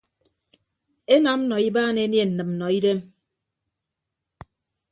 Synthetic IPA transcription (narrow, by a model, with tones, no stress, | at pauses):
e˦na˨˦m̩˦nɔ˨i˦baː˦˨ne˦nje˦˨n̩˨nɨ˨mm̩˨nɔ˨i˦de˦m